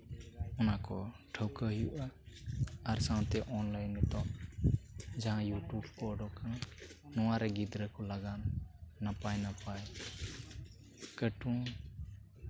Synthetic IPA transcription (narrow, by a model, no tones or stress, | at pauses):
ɔnakɔʈʰəwkəɦijuʔa | aɾsãw̃t̪ɛʔɔnlajnɛt̪ɔʔ | d͡ʒaɦãjuʈubkɔɖɔkãnɔwaɾɛɡid̪ɾəkɔlaɡannapajnapaj | kəʈũ